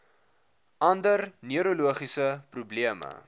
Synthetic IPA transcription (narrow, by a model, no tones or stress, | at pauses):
ʔɐndərniəɾoluəχisəprubliəmə̰